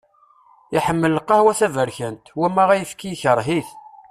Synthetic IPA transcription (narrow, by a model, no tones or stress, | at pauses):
iħəmːəlːəqːɑhwæθævəɾçənt̪wæmːæʁæjəfkijçəɾˤɦiθ